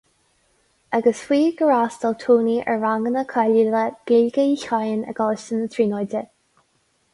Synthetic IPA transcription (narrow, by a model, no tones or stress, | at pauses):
aɡəswiːɡəɹaːstɔlt̪ʰuːniʔə̰ɹaŋɡənəkʰɛliləɡ̥ilɡəiçajənə̰ɡɔləstənətʰɹiːnɔjdə